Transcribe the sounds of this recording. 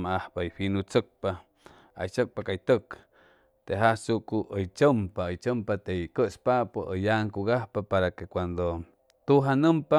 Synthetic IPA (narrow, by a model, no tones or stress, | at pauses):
maahpajɸinut͡sək̚pa | a̰jt͡ʃək̚pakajt̪ək | t̪eɦasuʔkuʔəjt͡ʃəmpaəjt͡ʃəmpat̪eikəʔspaʔpəʔəjaŋkuɣahpapaɾakekʷand̪o | t̪uɦanəmpa